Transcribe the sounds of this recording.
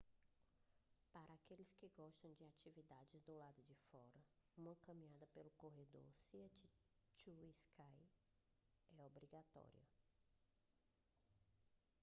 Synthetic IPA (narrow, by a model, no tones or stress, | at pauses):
paɾɐakelɪskɪɡɔʃt̪ɐ̃w̃d͡ʒɪat͡ʃivid̪ad͡ʒɪzd̪ʊlad̪ʊd͡ʒɪfɔɾɐũmɐkɐ̃mĩad̪ɐpelʊkoɦed̪o̰ɾsiɐt͡ʃit͡ʃuiskʰaj | ɛobɾiɡat̪ɔ̰ɾḭɐ̰